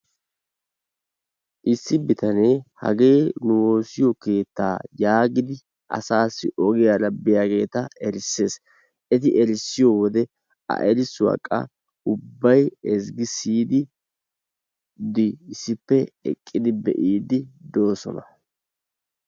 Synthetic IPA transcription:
ʔɪsːɪbɪt̪ɐneːhɐ̰ɡe̞ːnʊwo̞ːsɪjɔke̞ːt̪ːa̰ːjaːɡɪd̪ɪ | ʔɐ̰saːsːɪʔɔɡɪjalɐbːɪjaɡe̞ːt̪ɐɛɾɪsːe̞ːs | ʔɛt̪ɪʔɛɾɪsːɪjɔwɔd̪ɛ | ɐ̰ʔɛɾɪswɐ̰kʼːɐ̰ | ʊbːɐjɛzɡɪsiːd̪ɪ | d̪ɪɪsːɪpːɛɛ̰kʼːɪd̪ɪbɛ̰ʔiːd̪ɪd̪o̞ːsɔ̰nɐ

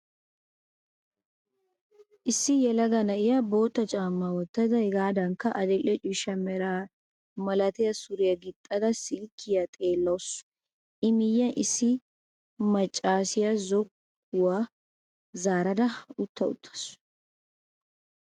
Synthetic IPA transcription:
ʔɪsːɪjɛlɐɡɐnɐʔɪjɐbo̞ːt̪ːɐt͡ʃʼaːmːawɔt̪ːɐd̪ɐɡaːd̪ɐŋkːɐʔɐd̪ɛlʼɛt͡ʃʼɪʃɐmɛɾa | mɐlɐt̪ɛjɐsʊɾɪjɐɡɪt̪ʼːɐd̪ɐsɪlkʰːɪjɐt̪ʼeːlːɐws | ʔɪmɪjːɐnʔɪsːɪ | mɐt͡ʃʼːaːsɪjɐzɔkː | ʊwa | zaːɾɐd̪ɐʊt̪ːɐʊ̰t̪ʰːɐ̥sʊ̥

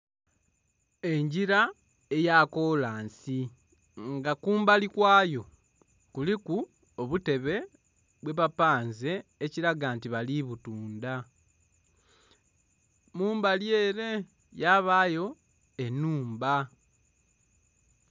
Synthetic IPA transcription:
e̞ɲɟiɾa | e̞jako̞laːnsi | ŋɡakuːmbalikwaːjo̞ | kuliku | oβute̞βe̞ | βwe̞βapaːnze̞ːciɾaɡantiβaliβutuːnda | muːmbaljeːɾe̞ | jaβaːjo̞ | e̞nuːmba

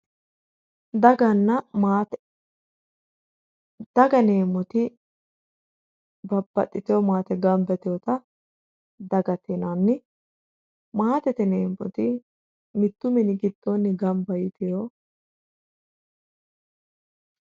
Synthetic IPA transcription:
d̪ɐɡɐnːɐmaːt̪ | d̪̥ɐɡɐneːmɔt̪ɪ | bɐbːɐ̰t̪ʼːɪt̪ɪjɔmaːt̪ɛɡɐmbɛt̪ɪjɔt̪ɐ | d̪ɐɡɐt̪ɪnɐnːɪ | maːt̪ɛt̪ɛneːmːɔ̰t̪ɪ | mɪt̪ːʊmɪnɪɡɪt̪ʼːonːɪɡɐmbɐjɪt̪ɪjo

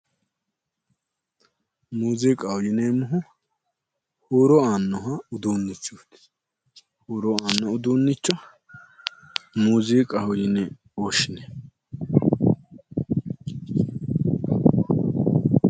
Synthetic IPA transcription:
muːzikʼɐhʊjɪnemʊɦʊ | huːɾɔaːnːɔɦɐʊd̪uːnːɪt͡ʃːuːt̪ | huːɾɔaːnːɔʊd̪uːnːɪt͡ʃːɔ | muːziːkʼɐhʊjɪnɛ | oːʃɪnɛ

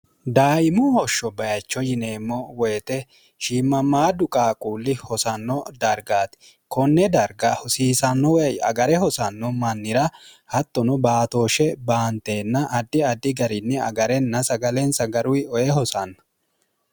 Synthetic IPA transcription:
d̪aːʔɪmʊhɔʃːɔbɐjɐt͡ʃːɔjɪne̞ːmːɔwɔjɛt̪ɛ | ʃiːmːɐmaːd̪ʊkʼaːkʼuːlːɪhɔsɐnːɔd̪ɐɾɡaːt̪ɪ | kɔnːɛd̪ɐɾɡɐhɔsiːsɐnːɔwjɐ̰ɡɐɾɛhɔsɐnːɔmɐnːɪɾɐhɐt̪ːɔnɔbaːt̪o̞ːʃɛbaːnt̪eːnːɐʔɐd̪ːɪɐd̪ːɪɡɐɾɪnːɛɐ̰ɡɐɾɛnːɐsɐɡɐlɛnsɐɡɐɾʊjɔjɛɦɔsɐnːɐ̥

